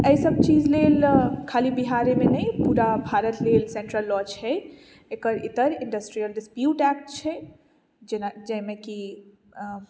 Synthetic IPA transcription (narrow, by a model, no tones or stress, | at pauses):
əjsəb̚t͡ʃid͡ʒlelkʰalibiɦaɾemenəjpuɾabʱaɾət̪lelsẽɳʈɾəlːɔt͡ʃʰɛ | ekəɾit̪əɾĩɳɖəsʈɾijəlɖispjuʈɛk̚ʈt͡ʃʰɛ | d͡ʒnad͡ʒəjmeki